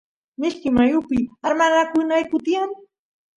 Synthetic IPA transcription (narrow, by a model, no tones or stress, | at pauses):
mɪʃkɪmajʊpɪaɾmanakʊnajkʊt̪iaŋ